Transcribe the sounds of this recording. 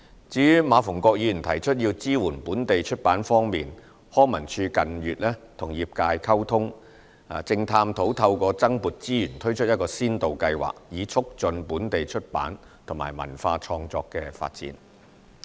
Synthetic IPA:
t͡siː˨˥jyː˥maː˨˧fʊ˨˩ŋkʷɔː˧k̚jiː˨˧jy˨˩nt̪ʰɐ˨˩jt͡ʃʰɵ˥t̚jiː˧wt͡siː˥wuː˨˩npuː˨˥nt̪e˨jt͡ʃʰɵ˥t̚paː˨˥nfɔː˥ŋmiː˨n | hɔː˥ŋmɐ˨˩nt͡ʃʰyː˧kɐ˨njyː˨t̚lɛː˥t̪ʰʊ˨˩ŋjiː˨p̚kaː˧jkʰɐ˥wt̪ʰʊ˥ŋ | aː˨˧t͡sɪ˧ŋt̪ʰaː˧mt̪ʰo˨˥wt̪ʰɐ˧wkʷɔː˧t͡sɐ˥ŋpuː˨t̚t͡siː˥jyː˨˩nt̪ʰɵ˥ɥt͡ʃʰɵ˥t̚jɐ˥tkɔː˧siː˥nt̪o˨wkɐ˧jwa̰ː˨˩k̚jiː˨˧t͡sʰʊ˥k̚t͡sɵ˧npuː˨˥nt̪e˨jt͡ʃʰɵ˥t̚pa̰ː˨˥n | t̪ʰʊ˨˩ŋmaː˨˩jmɐ̰˨˩nfaː˧t͡ʃʰɔː˧ŋt͡sɔː˧kːɛː˧fa̰ː˧t̚t͡sḭː˨˥n

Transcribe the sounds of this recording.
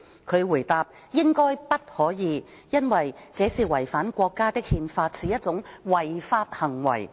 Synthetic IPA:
kʰɵ˨˧ɥwuː˨˩jt̪aː˧p̚ | jɪ˥ŋkɔː˥jpɐ˥t̚hɔː˨˥jiː˨˧ | jɐ˥nwɐ˨jt͡sɛː˨˥siː˨wɐ˨˩jfaː˨˥nkʷɔː˧kːaː˥t̪ɪ˥k̚hiː˧nfaː˧t̚siː˨˧jɐ˥t̚t͡sʊ˨˥ŋwɐ˨˩jfaː˧t̚hɐ˨˩ŋwɐ̰˨˩j

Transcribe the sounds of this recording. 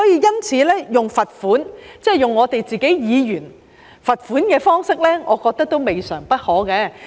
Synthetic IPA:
ɔː˨˥jiː˧jɐ˥nt͡sʰiː˨˧lɛː˥jʊ˨˩ŋfɐ˨t̚fuː˨˥nt͡sɛː˥˩jʊ˨ŋːɔː˨˧t̪e˨jt͡siː˨˩ke˨˥jjiː˨˧jyː˨˩n | fɐ˨t̚fuː˨˥nkɛː˧fɔː˥ŋsɪ˥k̚lɛː˥ŋʔɔ̰ː˨˧kɔː˧k̚t̪ɐ˥k̚t̪o˥wme˨jsœː˨˩ŋpɐ˥t̚hɔː˨˥kɛː˧

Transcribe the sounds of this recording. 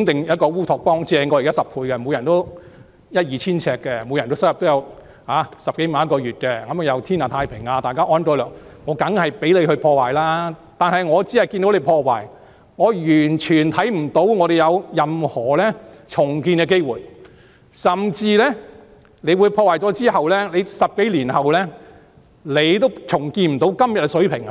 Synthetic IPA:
ŋt̪ɪ˨ŋjɐ˥t̚kɔː˧wuː˥t̪ʰɔː˨˩k̚pɔː˥ŋt͡sɛː˨˩ŋkɔ˧˨˩kaː˥sɐ˨p̚pʰuː˧jkɛ˧mo˨˧wjɐ˨˩nt̪o˥w | jɐ˥t̚jiː˨t͡sʰiː˥nt͡sʰɛː˧kːɛ˧mo˨˧jɐ˨˩nt̪o˥sɐ˥kjɐ˨p̚t̪o˥jɐ˨˧w | haː˨˥sɐ˨p̚ke˨˥jm˨˦ɐ˥tkɔː˧ɥyː˨t̚kɛ˧kɐ˨˥mɐ˨˧jɐ˨˧wt̪ʰiː˥naː˨˩t̪ʰaː˧jpʰɪ˨˩ŋaː˧t̪aː˨jkaː˥ʔɔː˥ntɔː˨˥lɔː˨˩k̚ŋɔː˨˧kɐ˨˥ŋhɐ˨jpe˨˥jle˨˧jhɵ˧ɥpʰɔː˧waː˨˩jlaː˥t̪aː˨nhɐ˨jŋɔː˨˧t͡siː˨˥hɐ˨jkiː˧nt̪o˨˥wle˨˧jpʰɔː˧waː˨˩j | ŋɔː˨˧jyː˨˩nt͡ʃʰyː˨˩nt̪ʰɐ˨˥jm̩˨˩t̪o˨˥wŋɔː˨˧ɾe˨˩jɐ˨˧wjɐ˨mhɔː˨˩lɛː˥t͡sʰʊ˨˩ŋkiː˧nkɛː˧k̬e˥jwuː˨˩j | sɐ˨mt͡siː˧lɛː˥ | ne˨˧jwuː˨˧jpʰɔː˧waː˨˩jt͡sɔː˨˥t͡siː˥ɦɐ˨wlɛː˥le˨˧jsɐ˨p̚ke˨˥liː˨˩nhɐ˨wlɛː˥ | le˨˧jt̪̬o˥wt͡sʰʊ˨˩ŋkiː˧nm̩˨˩t̪o˨˥wkɐ˥mjɐ˨t̚kːsɵ˨˥ɥpʰɪ˨˩ŋa˧

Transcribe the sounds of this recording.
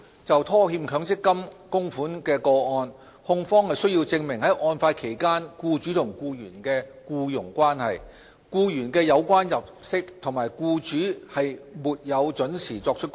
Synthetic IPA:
t͡sɐ˨wt̪ʰɔː˥hiː˧mkʰœː˨˥ŋt͡sɪ˥kːɐ˥mkʊ˥ŋfuː˨˥nkɛː˧kɔː˧ɔː˧n | hʊ˧ŋfɔː˥ŋhɐ˨jsɵ˥ɥji˧wt͡sɪ˧ŋmɪ˨˩ŋhɐ˨˥jʔɔː˧nfaː˧tkʰe˨˩jkaː˥nkuː˧t͡ʃyː˨˥t̪ʰʊ˨˩ŋkuː˧jyː˨˩nkɛː˧kuː˧jʊ˨˩ŋkʷwaː˥nhɐ̰˨j | kuː˧jyː˨˩nkɛː˧jɐ˨˧wkʷwaː˥njɐ˨p̚sɪ˥k̚t̪ʰʊ˨˩ŋmaː˨˩jkuː˧t͡ʃyː˨˥hɐ˨jmuː˨t̚jɐ˨˧wt͡ʃɵ˨˥nsʰiː˨˩t͡sɔː˧k̚t͡ʃʰɵ˥t̚

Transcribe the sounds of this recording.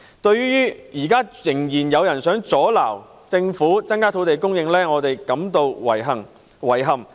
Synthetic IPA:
t̪ɵ˧ɥɥyː˥jyː˥jiː˨˩kaː˥jɪ˨˩ŋjiː˨˩njɐ˨˧wjɐ˨˩nsœː˨˥ŋt͡sɔː˨˥la̰ː˨˩w | t͡sɪ˧ŋfuː˨˥t͡sɐ˥nkaː˥t̪ʰo˨˧wt̪e˨jkʊ˥ŋjɪ˧ŋlɛː˥ŋɔː˨˧t̪e˨jkɐ˨˥mt̪o˧wwɐ˨˩jɐ˨˩ŋ | wɐ˨˩jɦɐ˨˩m

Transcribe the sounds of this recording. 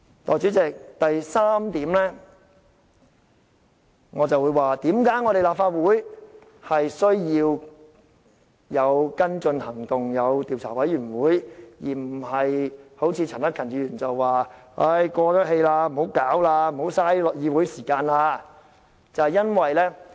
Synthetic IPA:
t̪ɔ̰ː˨˩t͡ʃyː˨˥t͡sɪ˨k̚t̪ɐ˨jsaː˥mt̪iː˨˧˥mlɛː˥ | ŋɔː˨˧t͡sɐ˨wuː˨˧jwaː˨t̪iː˨˥mkaː˨˥jŋɔː˨˧ɾe˨˩jlaː˨p̚faː˧t̚wuː˨˥j | hɐ˨jsɵ˥ɥjiː˧w | jɐ˨˧wkɐ˥nt͡sɵ˧nhɐ˨˩ŋt̪ʊ˨ŋjɐ˨˧wt̪iː˨wt͡sʰaː˨˩wɐ˨˥jyː˨˩nwuː˨˥jjiː˨˩m̩˨˩hɐ˨jho˨˥wt͡sʰiː˨˧t͡sʰɐ˨˩nɐ˥kʰɐ˨˩nt͡ʃyː˧˥jyː˨˩nt͡sɐ˨wwaː˨˩a˥jkɔː˧k̪ɐ˥k̚he˧jlaː˧m̩˨˩ho˨˥wkaː˨˥wlaː˧m̩˨˩ho˨˥wsaː˥jlɔ˨jiː˧wu˨˥jsiː˨˩kaː˧nlaː˧ | t͡sɐ˨hɐ˨˩jɐ˥nwɐ˨jlɛː˥

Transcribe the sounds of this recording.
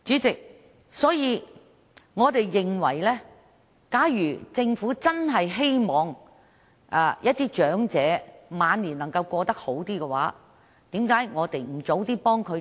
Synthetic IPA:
t͡syː˨˥t͡sɪ˨k̚ | sɔː˨˥jiː˨˧ | ŋɔː˨˧t̪e˨jːɪ˨ŋwɐ˨˩jlɛː˥ | kaː˨˥jjyː˨˩t͡sɪ˧ŋfuː˨˥t͡sɐ˥nɦɐ˨jɦe˥jmɔː˨ŋ | ʔaː˨˧jɐ˥t̪̚ːiː˥t͡ʃœː˨˥ŋt͡sɛː˨˥maː˨˧nliː˨˩nɐ˨˩ŋkɐ˧wkʷɔː˧t̪ɐ˥k̚ho˨˥wt̪iː˥kɛ˧wa̰ː˨˥ | t̪iː˨˥mkaː˨˥jŋɔː˨˧t̪e˨jm̩˨˩t͡so˨˥wt̪iː˥pɔː˥ŋkʰɵ˨˧

